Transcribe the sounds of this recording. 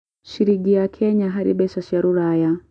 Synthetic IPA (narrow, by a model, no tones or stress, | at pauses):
ʃiɾiɡiakʰɛɲaɦaɾḭɓɛʃaʃaɾuɾaːja